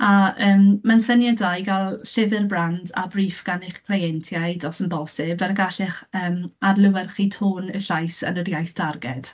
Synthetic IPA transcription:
aəːmmansənjadajɡalˠɬɪvɪrbranda̰briːfɡ̥anɪχkʰl̥ejɛntʰjajdɔsənbɔsɪbɛrɡaɬɪχəːmarlˠɪwɛrχitʰoːnəɬajsə̰nədjajθd̥arɡɛd̥

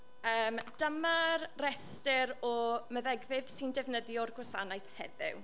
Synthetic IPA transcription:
əːmd̥əmarrɛstɪɾɔməðɛɡvɪðsɪndɛvnəðjɔrɡwasanajθhɛ̰ðɪ̰w

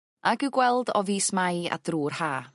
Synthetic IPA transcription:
aɡɪwɡwɛlˠdɔviːsmaja̰d̥ruːrhaː

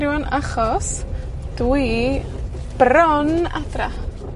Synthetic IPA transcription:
ɾjɔnaχɔs | d̥w | b̥rɔna̰dra

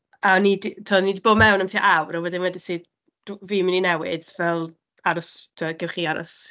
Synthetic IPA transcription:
aɔniditʰɔnidiboːdmɛwnəmtʰiːʔawɾɔwɛdɪnwɛdɪsɨːd | d̥viːmininɛwɪ̰dvɛlˠ | aɾɔstʰəɡɛwχiaɾɔ̰s

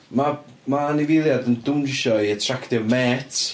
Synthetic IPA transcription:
mamanɪvɪlˠjadəndʊnɪʃɔiətʰraktɪvmɛːtʰ

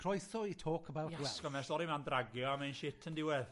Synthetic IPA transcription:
kʰr̥ɔjθɔitʰoːkʰəbawtwɛskɔmɛsɔɾimandraɡjɔamanʃɪtʰəndɪwɛð

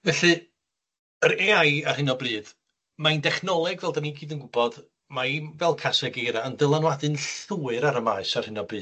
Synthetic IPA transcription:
vɛɬɨ | əɾeajar̥hɪnɔbrɨːð̥ | maindɛχnɔlˠɛɡvɛlˠdaniɡiːdənɡʊbɔd | maivɛlˠkʰasɛɡejɾaəndəlˠanwadɨnɬuːɨɾaɾəmaɨsarhɪnɔbri̥ː

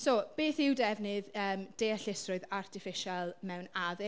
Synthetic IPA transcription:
sob̥eːθɪwdɛvnɨðəːmd̥eːaɬɪsrʊɨðartʰɪfɪʃalˠmɛwnaðɪ

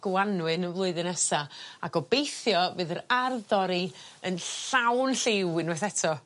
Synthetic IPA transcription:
ɡ̥anwɨnəvlˠʊɨðɨnɛsaakɔbejθjɔvɨːðəɾarðɔɾiənɬɬawnɬɪwɨnwɛθɛtʰɔ

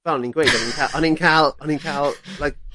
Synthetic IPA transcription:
fal̃nɪ̃nɡɹeɪdʌ̃nɪ̃nkʰalʔənɪ̃nkʰalˠənɪ̃nkʰalˠlaɪk̚

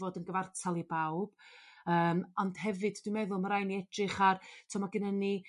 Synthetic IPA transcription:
oːdənɡəvartʰalˠibawb̥əːmɔnd̥ɦɛvɨdd̥wimɛðʊlˠməɾajniɛdrɨχartʰɔmaɡənəni

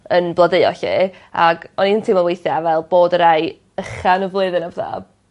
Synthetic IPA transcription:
ənblˠədeɨɔ̰ɬḭː | a̰ɡɔniəntʰimɔlˠwejθjaavɛlˠboːdəɾaj | əχanɔvlˠɨːðɨnavða̰ːb̥̚

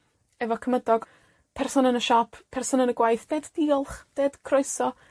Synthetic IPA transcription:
ɛvɔkʰəmədɔɡ̥ | pʰɛrsɔnənəʃɔpʰpʰɛrsɔnənəɡwajθd̥ɛdd̥iːɔlˠχd̥eːd̥kʰrɔjsɔ

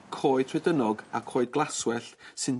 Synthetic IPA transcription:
kʰoːɨd̥tʰrɛdənɔɡakʰoːɨd̚ɡlˠaswɛɬsɨn

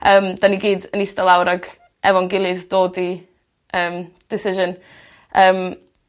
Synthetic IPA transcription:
əːmd̥aniɡiːdənistɛlˠawɾaɡ | ɛvɔnɡɪlˠɨðd̥oːdi | əːm | d̥ɪsɪʒən | əːm

